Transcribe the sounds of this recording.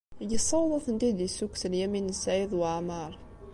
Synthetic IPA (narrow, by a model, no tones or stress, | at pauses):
jəsˤɑwðˤɑθənt̪id̪isukθəljæminəsæʕiðˤwaʕmɑɾˤ